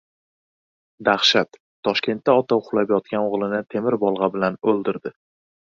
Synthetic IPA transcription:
d̪aχʃat̪ʰː | ɒʃkʲe̞nt̪ːaɒt̪ʰawqʰʊlˠapjɒt̪̚kʲanoʁlˠɪnɪt̪ʰemɪɾbɒlˠʁɑbɪlanɵlˠd̪ɪɾd̪ɪ

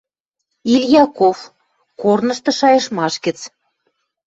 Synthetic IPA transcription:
ilʲjɑkof | kornə̆ʃt̪ɤ̆ʃɑjɤ̆ʃmɑʃɡə̆t͡s

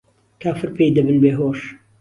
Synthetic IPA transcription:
kʰaːfɨɾpʰeːjd̪ɐbɨnbeːɦoːʃ

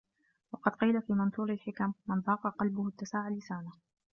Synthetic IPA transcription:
wɑqɑd̪qiːlafiːmɪnθuːɾɪlħɪkamːɪnðˤɑːqɑqɑlbʊhʊt̪ːasaːʕʊlːɪsaːnah

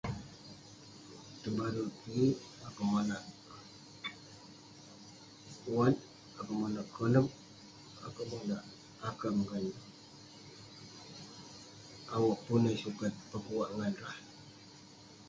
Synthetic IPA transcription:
t̪əbaɾuti | akamanaʔ | uat̪ | akamanaʔkʰələp̚ | a̰kamanaʔ | akamŋan | awaʔpunəsukat̪̚pəkuwaʔŋanɾah

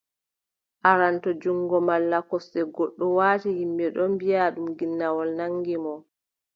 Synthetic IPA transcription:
ʔaɾantɔd͡ʒuŋɡɔmalːakɔsːɛɡɔɗːɔwaːtihimbɛɗɔmbijaɗumɡinːawɔlnaŋɡimɔ

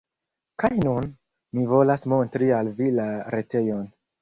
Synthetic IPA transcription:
kajnun | mivo̞lasmo̞ntɾialvilaɾe̞te̞jon

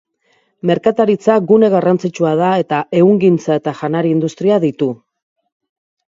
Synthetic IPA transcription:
me̞ɾkat̪aɾit͡saɡune̞ɣarant͡sit͡ʃuað̞ae̞t̪aʔe̞uŋɡint͡sae̞t̪aʝanaɾiːnd̪ust̪ɾiaðit̪u

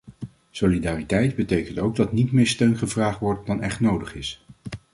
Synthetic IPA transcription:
solidaːritɛjdbətejkəntowɡ̚dɑtnitmɪːɹstøɥnχəvraːχtʋɔɹt̚dɑnɛχtnowdəχɪs

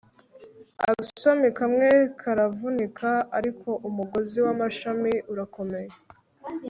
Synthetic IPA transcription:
a̰usomikamŋe̞kʰaɾavunikʰaaɾikʰo̞ʔumuɡo̞ziwamaʃamiʔuɾako̞me̞je

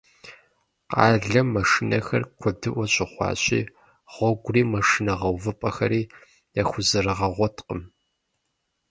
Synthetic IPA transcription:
qɑːɮɐmːɐʂinɐxɐ̰rkʷʰɔb̚dɨʔʷɔɕʼɪχʷɑ̰ːɕʼḭː | ʁ̥ʷɔɡʷʊriːmɐʂinɐʁɐwvɨpʼɐxɐɾiː | jaxʷʊzɨrɨʁɐʁʷɔtqəm

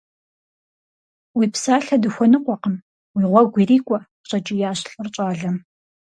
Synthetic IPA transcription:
wiːpsaːɬɐdɨxʷɔnɨqʷɔqəm | wiːʁʷɔɡʷiriːkʷʼɔ | ɕʼɐt͡ʃʼɪjaːɕɬʼɨrt͡ʃʼaːɮɐm

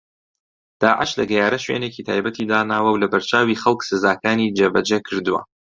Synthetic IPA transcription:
d̪̥aːʕɪʃlɐɡɛjaːɾɐʃwḛːneːciːt̪ʰa̰ːjbɐt̪ʰiːd̪aːnaːwɐwlɐbɐɾt͡ʃʰaːwiːxɐlˠksɨzaːkaːniːd͡ʒɐbɐd͡ʒɐkʰɨɾd̪uwɐ̰

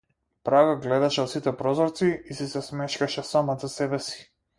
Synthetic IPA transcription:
pɾaɡaɡlɛd̪aʃɛɔt̪sit̪ɛpɾɔzɔɾt̪siisisɛsmɛʃkaʃɛsamazasɛbɛsi̥

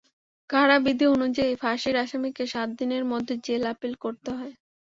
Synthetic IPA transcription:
ɡʱaɽabid̪ʱionud͡ʑaifaʃiɾaʃamikeʃat̪̚d̪ineɾmɔd̪ʱːed͡ʑelapilkoɾt̪eɦɔe

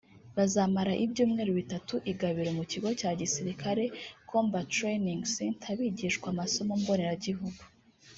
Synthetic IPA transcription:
βazaːmaɾaʔibjuːmŋe̞ːɾoβitatuʔiɡaβiɾomuciɡo̞caːɟisiɾikaɾe̞kʰo̞ːmbatɾeniŋɡsintʰaβiːɟiʃkwamaso̞mombo̞neɾaɟiɦuɡu̥

